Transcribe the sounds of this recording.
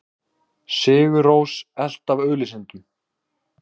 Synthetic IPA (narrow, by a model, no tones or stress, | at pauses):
sɪːɣʏɾoːwsɛl̥t̪avœːlɪsɪnt̪ʏ